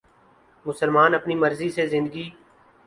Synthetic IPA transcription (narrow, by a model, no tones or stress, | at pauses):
mʊsəlmaːnɐpnimɐɾzisezɪ̃nd̪əɡiː